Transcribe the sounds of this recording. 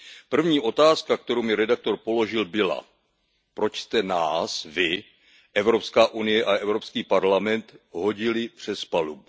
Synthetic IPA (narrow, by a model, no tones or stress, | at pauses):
pr̩vɲiːʔo̞t̪aːskak̚t̪ɛɾowmɪɾɛdak̚t̪o̞ɾpo̞lo̞ʒɪlbɪla̰ | pɾo̞t͡ʃst̪ɛnaːsvɪ | ʔɛvɾo̞pskaːʔunɪjɛʔaʔɛvɾo̞pskiːpaɾlamɛnt̪ɦo̞ɟɪlɪpr̝̥ɛspalubu